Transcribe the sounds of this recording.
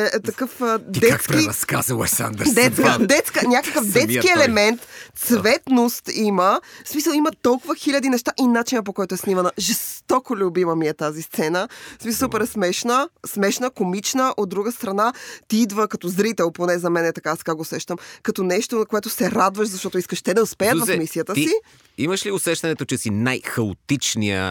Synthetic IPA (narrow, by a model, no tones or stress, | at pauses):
ɛt̪ɐkɤfd̪ɛakspiɐska̰zəɛ̰ksa̰nd̪ɾd̪ɛt̪skəd̪ɛt̪skənʲakəkəfd̪ɛt̪kiɛlɛmɛnt̪t̪svɛt̪nost̪iməsmisəlˠimɐt̪ɔlˠkʊvəxilʲɐd̪inɛʃt̪aʔinat͡ʃinəp̬okɔjt̪oɛsnimɐnəʒɛst̪ɔkolʲʊbiməmiɛt̪azist̪sɛnəsmisˠsupɛɾɛsmɛʃnəsmɛʃnəkomit͡ʃnəʔod̪̚ːɾuɡəst̪ɾɐnat̪iid̪vəkɐt̪ɔzɾit̪ɛlˠponɛzɐmɛnɛt̪ɐkasɛ̥kaɡoːsɛʃt̪əmkɐt̪ɔnɛʃt̪oɐkoɛt̪ʊsɛɾad̪vəʃzɐʃt̪ɔt̪oiskəʃt̪ɛd̪ɐʊspɛjət̪vɐfmisijət̪əsi | iməʃliʊsɛʃt̪ɐnɛt̪ot͡ʃɛsinajxɐo̰t̪it͡ʃnḭə̰